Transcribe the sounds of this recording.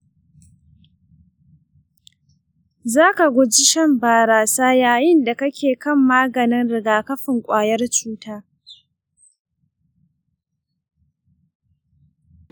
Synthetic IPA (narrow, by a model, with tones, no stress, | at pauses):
zaː˦ka˨ɡʷʊ˦d͡ʒi˦ʃɐ˦˨mbaː˨ɾaː˨saː˦jaː˨jɪ˦nda˨kɐ˦kʲʰeː˨kɐ˦˨mːaː˦ɡɐ˨nɪ˦nɽɪ˨ɡaː˨kɐ˦ɸɪ˨ŋkʷʼaː˨jɐ˦rt͡ʃuː˦taː˦